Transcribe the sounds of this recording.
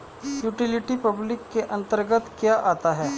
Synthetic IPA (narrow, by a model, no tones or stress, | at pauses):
juːʈɪlɪʈipɐblɪkːeʔɐ̃nt̪əɾɡət̪kjaʔaːt̪aɦɛː